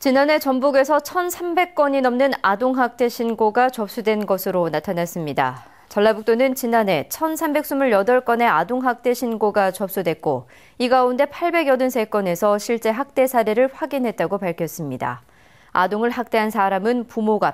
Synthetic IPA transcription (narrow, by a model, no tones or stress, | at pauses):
t͡ɕinane̞t͡ɕʌmbuɡe̞sʰʌt͡ɕʰʌnsʰambe̞k͈̚ʌɲinʌmnɯnadoŋɦak̚t͈e̞ɕʰinɡoɡat͡ɕʌp̚s͈udwe̞nɡʌsʰɯɾonatʰanas͈ɯmɲida̰ | t͡ɕʌɭːabuk̚t͈onɯnt͡ɕinane̞t͡ɕʰʌnsʰambe̞k̚s͈umɯɭjʌdʌɭk͈ʌne̞adoŋɦak̚t͈e̞ɕʰinɡoɡat͡ɕʌp̚s͈udwe̞k̚k͈o | iɡaunde̞pʰaɭbe̞ɡjʌdɯnsʰe̞k͈ʌne̞sʰʌɕʰiɭt͡ɕ͈e̞ɦak̚t͈e̞sʰaɾeɾɯɭɸwaɡinɦe̞t̚t͈aɡopaɭkʰjʌs͈ɯmɲida̰ | adoŋɯɭɦak̚t͈e̞ɦansʰaɾamɯnpumoɡa